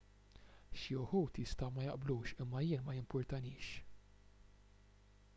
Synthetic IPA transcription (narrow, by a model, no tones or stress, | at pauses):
ʃiʊħuːt̪jɪst̪ɐwmɐjɐʔbluːʃɪmːɐjɪːnmɐjɪmpɔɾt̪ɐnɪːʃ